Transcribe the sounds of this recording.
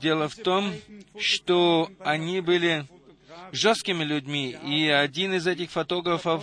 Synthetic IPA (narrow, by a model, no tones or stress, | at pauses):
dʲe̞lˠəft̪omʂt̪oɐnʲibɨlʲɪ | ʐost̪kʲɪmʲɪlʲʊdʲmʲiiɐdʲinɨzɛtʲɪxfɐt̪o̞ɡɾəfəf